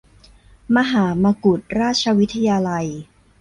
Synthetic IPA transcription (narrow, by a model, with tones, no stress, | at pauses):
ma˧ɦaː˩˦ma˧ku˨˩t̪̚ɾaː˥˩t̪̚t͡ɕʰa˧wi˦˥t̪ʰa˧jaː˧la˧j